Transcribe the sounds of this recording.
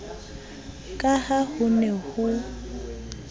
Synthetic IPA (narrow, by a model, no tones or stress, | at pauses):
kʼahahʊnɛhʊ